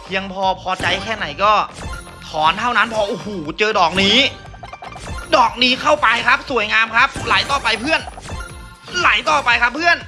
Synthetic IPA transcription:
pʰi˧əŋpʰɔː˧pʰɔː˧t͡ɕa˧jkʰɛː˥˩na˩˦jkɔː˥˩ | t̪ʰɔː˩˦nt̪ʰa˥˩wna˦˥npʰɔː˧ʔu˧huː˨˩t͡ɕɤː˧dɔː˨˩k̚niː˦˥ | dɔː˨˩k̚niː˦˥kʰa˥˩wpa˧jkʰa˦˥p̚su˨˩˦əjŋaː˧mkʰa˦˥p̚la˨˩˦jt̪ɔː˨˩pa˧jpʰɯ˥˩ən | la˨˩˦jt̪ɔː˨˩pa˧jkʰa˦˥pʰːɯ˥˩ən

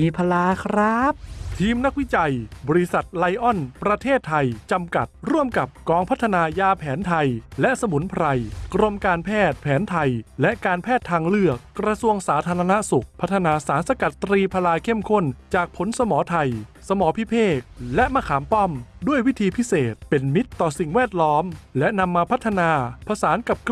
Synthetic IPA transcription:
iː˧pʰa˧laː˧kʰɾa˦˥p̚t̪ʰiː˧mna˦˥k̚wi˦˥t͡ɕa˧jbɔː˧ɾi˧sa˨˩t̪̚la˧jʔɔ˥˩npɾa˧t̪ʰeː˥˩t̪ʰːa˧jt͡ɕa˧mka̰˨˩t̪̚ɾu˥˩əmka˨˩p̚kɔː˨˧˦ŋpʰa˦˥t̪ʰːa˧naː˧jaː˧pʰɛː˩˦nt̪ʰa˧jlɛ˦˥ʔsa˧mu˩˦npʰɾa˧jkɾo˧mkaː˧npʰɛː˥˩t̪̚pʰɛː˩˦nt̪ʰa˧jlɛ˦˥ʔkaː˧npʰɛː˥˩t̪ʰːaː˧ŋlɯ˥˩ək̚ːɾa˧su˧əŋsaː˩˦t̪ʰaː˧ɾa˧na˦˥su˨˩k̚pʰa˦˥t̪ʰːa˧naː˧saː˨˩˦nsa˧ka˨˩t̪ːɾiː˧pʰa˧laː˧jkʰe˥˩mkʰo˥˩nt͡ɕaː˨˩k̚pʰo˩˦nsa˧mɔː˩˦t̪ʰa˧jsa˧mɔː˩˦pʰi˦˥pʰeː˥˩k̚lɛ˦˥ʔmaː˧˩kʰaː˩˦mpɔ˥˩mdu˥˩əjwi˦˥t̪ʰiː˧pʰi˦˥seː˨˩t̪̚pe˧nmi˦˥t̪ːɔː˨˩si˨˩ŋwɛː˥˩t̪̚lɔː˦˥mlɛ˦˥ʔna˧mːaː˧pʰa˦˥t̪ʰːa˧naː˧pʰa˧saː˩˦nka˨˩p̚k

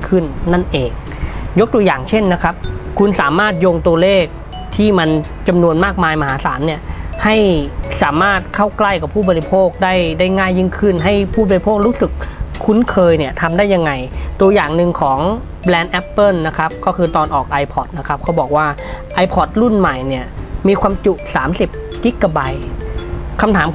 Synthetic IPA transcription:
kʰɯ˥˩nːa˥˩nʔeː˨˩k̚ | jo˦˥k̚t̪u˧əjaː˨˩ŋt͡ɕʰe˥˩nːa˦˥kʰa˦˥p̚kʰu˧nsaː˩˦maː˥˩t̪̚joː˧ŋt̪u˧ɐleː˥˩k̚ | t̪ʰiː˥˩ma˧n | t͡ɕa˧mnu˧ənmaː˥˩k̚maː˧jma˧haː˩˦sa̰ː˩˦mni˥˩ɐha˥˩jsaː˩˦maː˥˩t̪̚kʰa˥˩wkla˥˩jka˨˩pʰuː˥˩bɔː˨˧ɾi˦˥pʰoː˥˩k̚daː˥˩jdaː˥˩jŋaː˥˩jːi˥˩ŋkʰɯ˥˩nɦa˥˩jpʰuː˥˩bɔː˧ɾi˧pʰoː˥˩k̚ɾuː˦˥sɯ˨˩k̚ʰːu˧˥nkʰɤː˧jni˥˩ɐt̪ʰa˧mdaː˥˩jːa˧ŋːa˧jt̪u˧əjaː˨˩ŋnɯ˧ŋkʰɔː˩˦ŋ | blɛː˧nʔɛ˦˥pːɤː˥˩a˦˥kʰa˦˥p̚kɔː˥˩kʰɯː˧t̪ɔː˧nʔɔː˨˩k̚ʔa˧jpʰɔ˨˦˩t̪̚na˦˥kʰa˦˥p̚kʰa˦˥wbɔː˨˩k̚waː˥˩ʔa˧jpʰɔ˦˩t̪̚ɾu˥˩nma˨˩jni˥˩ɐmiː˧kʰwaː˧mt͡ɕu˧˩ʔsaː˩˦msi˨˩p̚ | ki˦˥kːa˧ba˧j | kʰa˧mt̪ʰaː˩˦m

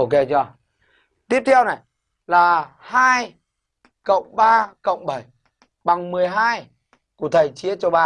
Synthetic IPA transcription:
o˧ke˧t͡ɕɔ˧˩ | t̪i˦˥əp̚t̪ʰɛ˧wna˨˩j | laː˨˩haː˧j | kə̰˧˨wŋ͡mɓaː˧kə̰˧˨wŋ͡mɓə˧˩j | ɓa˨˩ŋmɨ˨˩əjɦaː˧j | ku˧˩ət̪ʰəː˨˩jt͡ɕi˨˦ət͡ɕɔ˧ɓaː˧

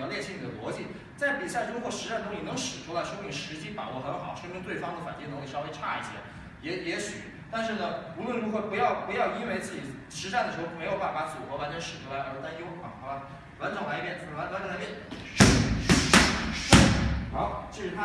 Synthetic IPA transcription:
ljɛ˥˧t͡ɕʰi˥ni˨˩d̪ə̰˦lwɔ˧˥t͡ɕi˥˩ | t͡sa˥˩ɪpi˨˩ɕja˥˧˩ʈ͡ʂo˥xwɔ˥˩ʂɻ̩˧˥ʂa˥˩nt̪ʊ˥ŋli˨˩nɤ˧˥ŋʂɻ̩˨˩ʈ͡ʂʰu˥la˧ɪʂɤ˥i˥˩ʂɻ̩˧˥t͡ɕi˥pa̰˨˩wɔ˧˥˩xə˧˥nxɑ̰˨˩˦ʊʂɤ˥˧˥t̪we˥˩ɪfɑ˥ŋd̪ə˨fa˨˩nt͡ɕi˥˩nɤ˧˥ŋk̪e˥˩ʂɑ˥ʊfe˥ɪʈ͡ʂʰa̰˥˧i˥˩ɕʰjɛ̰˧˩˥ | jɛ˧˥jɛ˧˥ɕy̰˨˩˦ | t̪a˥˧nʂɻ̩˥˩nə˩u˧˥lwə˥˩nɻu˧˥xɔ˧˩pu˧˥jɑ˥˩ʊpu˧˥jɑ˥˧ʊi˥nwe˥˧ɪt͡sɹ̩˥˩t͡ɕi˨˩ | ʂɻ̩˧˥ʂa˥˩nd̪ə˩ʂɻ̩˧˥xo˥˩me˧˥ɪjo˨˩ʊpa˥˩n˩fa˧˥t͡su˨˩xwɔ˧˥fa˧˥nʈ͡ʂə˧˥nʂɻ̩˨˩ʈ͡ʂʰu˥la˧˥ɪə˧˥˧t̪a˥˧˩jo˥˩˥ka˧˩la˧˩ | lwa˧˥nʈ͡ʂɤ˨˩ŋla˧˥ɪ˥pjɛ˧˥˩n˧wa˧˥n˧˥nʈ͡ʂɤ˧la˧˥pjɛ˥n˥˧˥ | ʂa˧˥t͡ɕjo˥˧˩ʂ̩˧t̪ʰ

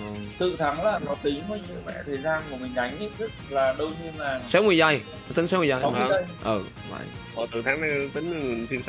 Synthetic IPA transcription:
t̪ɨ̰˧˨t̪ʰa˨˦ŋlaː˨˩nɔ˨˦t̪ï˨˦ŋ̟vəː˨˦ɲɨ̰˧˨əmɛ̰˧˨t̪ʰəː˨˩jzaː˧nmaː˨˩mï˨˩ŋ̟ɗa˨˦jŋ̟ʔi˦˥t̚zɨ˦˥k̚laː˨˩ɗə˧wɲɨ˧əlaː˨˩sɛ˨˦wŋɨ˨˩əjza˨˩j | t̪i˨˦ŋsɛ˨˦wɨ˨˩a˧˩jɗə˧jʔəː˨˩ | va̰˧˩j | ʔɔ˨˩t̪ɨ˨˩t̪ʰaː˨˦ŋna˨˧jt̪ï˨˦ŋ̟˧˩ŋɨ˨˩nt̪ʰi˧əns

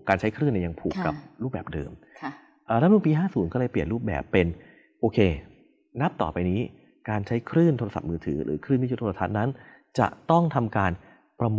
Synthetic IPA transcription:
kaː˧nt͡ɕʰa˦˥jkʰɾɯː˥˩nɛ˧˩ja˧ŋpʰuː˨˩kːa̰˨˩pɾuː˥˩p̚bɛː˨˩p̚dɤ̰ː˧m | ʔːɾɛ˦˥nu˧˥˩piː˧ɦaː˥˩suː˨˩˦nkɔː˥˩lɤː˧jpli˨˩ənɾuː˥˩p̚bɛ̰ː˨˩pːe˧n | ʔoː˧kʰeː˧ | na˦˥p̚t̪ɔ̰ː˨˩pa˧jniː˦˥ | kaː˧nt͡ɕʰa˦˥jkʰɾɯː˥˩nt̪ʰo˧a˧sa̰˨˩p̚mɯː˧t̪ʰɯ̰ː˩˦ɾɯ̰ː˩˦kʰɾɯː˥˩nt̪iː˥˩˦t̪ʰo˧a˧t̪ʰa˦˥n̚na˦˥n | t͡ɕa̰˨˩ʔt̪ɔ˥˩ŋt̪ʰa˧mkaː˧n | pɾa˧m˧

